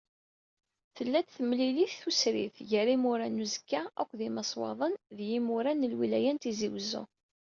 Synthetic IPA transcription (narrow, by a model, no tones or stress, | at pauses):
θəlːæt̪θəmliliθθusɾḭθʝəɾimʊɾænuzə̥kːæækʷːðimɑsˤwɑ̰ðˤənðjimʊɾænəlwilæjænt̪iziwzːṵ